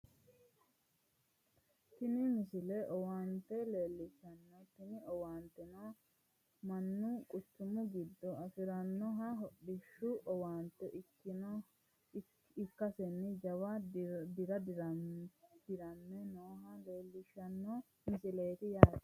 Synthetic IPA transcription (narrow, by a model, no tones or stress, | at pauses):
t̪ɪnɪmɪsɪlɛʔɔwaːnt̪ɛleːlːɪʃɐnːɔt̪ɪnɪɔwaːnt̪ːɛnoː | mɐnːʊkʼʊtːʊmʊɡɪd̪ːɔɐfɪɾɐnːɔɦɐɦɔɗɪʃʊʔɔwaːnt̪ːɛʔ | n | ɪkːɐsɛnːɪd͡ʒɐwad̪ɪɾɐdɾ | d̪̥ɪɾɐnːɛnoːɦɐleːlːɪʃɐnːɔ | mɪsɪle̞ːt̪ɪjaːt̪